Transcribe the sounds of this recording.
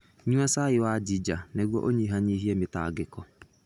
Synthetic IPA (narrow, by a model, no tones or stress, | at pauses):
ɲũasaɪwad͡ʒid͡ʒaneɣwɔʔoɲiɦaɲiːɦiɛmɪta̰ɡɪkɔ